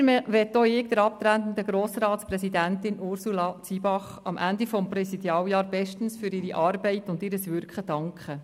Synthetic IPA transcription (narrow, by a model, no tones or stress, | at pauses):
ʋɛt̪ːoːɪːk̚d̥̪əɾɑp̚t̪ɾæntən̩d̪əɡɾoːsrɑːtsprɛsidæntɪnʔʊɾsulɑt͡sibɑχ | ɑ̰mʔæ̰ndifɔmprɛsid̪jɑːwjɑːɾbɛʃtən̩sfʏɾɪɾiʔɑrbɛɪtʊndɪːɾəsʋʏɾkχəd̥ɑŋkχə